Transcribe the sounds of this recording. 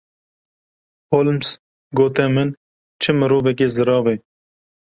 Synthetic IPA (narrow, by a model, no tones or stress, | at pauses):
hoːlms | ɡoːt̪ɛmɨn | t͡ʃʰɨmɨɾoːvɛk̬eːzɨɾɑːve